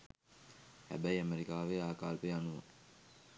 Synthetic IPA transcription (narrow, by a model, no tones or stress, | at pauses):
hæ̰bæiəmeɾikaːʋeːaːkaːlpeanuʋṵŋ